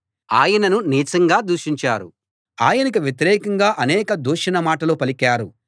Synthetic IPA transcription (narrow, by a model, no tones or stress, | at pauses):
aːjɐnɐnuniːt͡ʃɐŋɡaːd̪uːʃiɲt͡ʃaːɾṵ | a̰ːjɐnɐkiʋjet̪iɾɛːkɐŋɡaːʔɐnɛːkɐd̪uːʂɐnɐmaːʈɐlupɐlikaːɾu